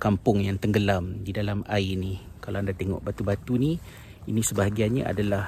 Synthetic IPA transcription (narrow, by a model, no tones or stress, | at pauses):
kampʊŋjaŋt̪əŋɡəlamdidalamaini | kalawandat̪eŋɔ̰ʔbat̪ubat̪uni | inisəbaɦaɡianɲaʔa̰dalah